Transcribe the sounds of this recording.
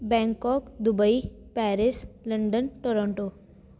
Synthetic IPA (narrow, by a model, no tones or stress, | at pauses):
bɛ̃ːŋkɔːkd̪ʊbəipɛːɾɪsləɳɖənʈoɾɔ̃ɳʈoː